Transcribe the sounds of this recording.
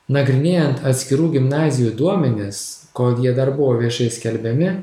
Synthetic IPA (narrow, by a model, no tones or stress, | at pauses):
nɐɡɾʲɪnʲeːjɛnt̪ɐt̪ʲsʲkʲɪɾuːɡʲɪmnɑːzʲɪjuːd̪uɔmʲɛnʲɪskoːlˠjiɛd̪ɐɾbʊʋoːʋʲiɛʃɐɪsʲkʲɛlʲbʲɛmʲɪ